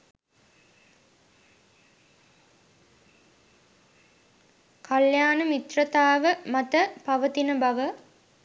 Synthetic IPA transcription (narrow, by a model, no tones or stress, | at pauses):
kʰɐljaːnəmit̪rət̪aːʋəmɐt̪əpɐʋət̪inəbɐʋə